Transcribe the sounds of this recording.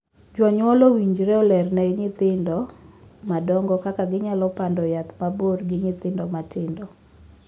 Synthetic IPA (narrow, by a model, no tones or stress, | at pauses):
d͡ʒwaɲwɔlowiɲd͡ʒɾɛɔlɛrnɛɪɲɪt̪ɪndɔmadɔŋɡɔkakaɡɪɲalɔpandɔjat̪maborɡɪɲɪt̪ɪndɔmatɪndɔ